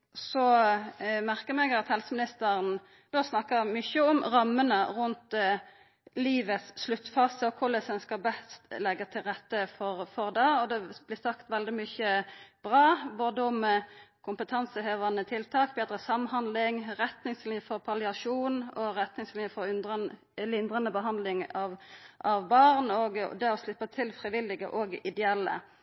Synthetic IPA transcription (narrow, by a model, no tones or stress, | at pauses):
sɔ | mæʁkəʁmɛɡɑt̪hɛlsəmɪnɪst̪əɾən | d̪oːsnɑkːəʁmʏçəɔmʁɑmːənəʁʊnt̪ | liːʋət̪sːlʉt̪ːfɑːsəɔkʰʊlɛsənskɑbɛst̪lɛɡːət̪ʰɪlʁɛt̪ːəfɔʁfɔʁd̪ɑːɔd̪ɛb̥lɪsɑkt̪ʋɛld̪ɪmʏçəb̥ʁɑːboːd̪əɔmkʰʊmpət̪ʰɑnsəheːʋɑnət̪ʰɪlt̪ʰɑːk̚beːd̪ɾəsɑmhɑnd̪lɪŋʁɛt̪nɪŋslɪfɔʁpʰɑlɪɑʂuːnɔʁɛt̪nɪŋslɪnəfɔɾʏnə | lɪnd̪ʁɑnəbəɦɑnd̪lɪŋɑʋʔɑʋbɑʁnɔɡd̪ɛɔslɪpːət̪ʰɪlfʁɪʋɪlːɪɡə̰ʔɔːɡɪd̪ɛɛlːə̰